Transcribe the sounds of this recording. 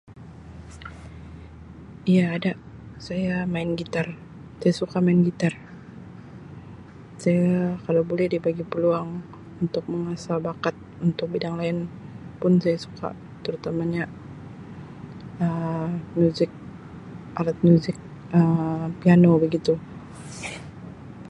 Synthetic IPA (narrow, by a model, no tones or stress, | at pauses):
ijaːdaʔ | sajamaɪnɡit̪ar | sajasukamaɪnɡit̪ar | sajakalawbolɛhdibaɡipəluaŋ | unt̪ʊk̚məŋasalbakat̪̚unt̪ʊk̚bidaŋlaɪnpʊnsajasu̥ka̰ | t̪əɾut̪amaɲa | əmjuzɪk̚ | ʔalat̪̚muzɪk̚ | əpianobəɡit̪u